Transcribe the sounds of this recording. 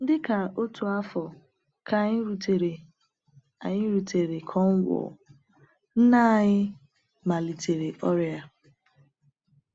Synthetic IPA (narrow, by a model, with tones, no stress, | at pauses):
n̩˦dɪ˦ka˨o˦tu˨a˦fɔ˨ | kʰa˨ɲ˦ɾu˨te˨ɾe˨ | a̰˨ɲɪ˦ɾu˨tʰe˨ɾe˨kʰɔ˦ŋ̩˦ɡʷʊ̰˨ | n̩˦na˦˨ɲɪ˦ | ma˨li˨te˨ɾe˨ʔɔ˦ɾe˨a˨